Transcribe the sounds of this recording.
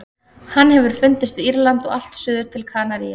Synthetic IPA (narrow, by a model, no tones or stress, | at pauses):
hanːhɛvʏɾ̥fʏnt̪ɪst̪vɪiɾlant̪ɔɣal̥t̪sʏːðʏɾ̥t̪ʰɪlkʰaːnaɾia